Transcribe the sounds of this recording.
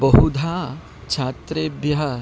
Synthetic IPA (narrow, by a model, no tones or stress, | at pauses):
bɐɦud̪ʱaː | t͡ʃʰaːt̪ɾeːbjɐɦɐ